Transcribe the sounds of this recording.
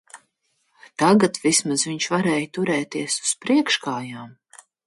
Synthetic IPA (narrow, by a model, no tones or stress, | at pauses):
t̪aɡat̪vismazviɲʃvaɾɛːjt̪uɾɛːt̪iɛsu̥spɾiɛkʃkaːjaːm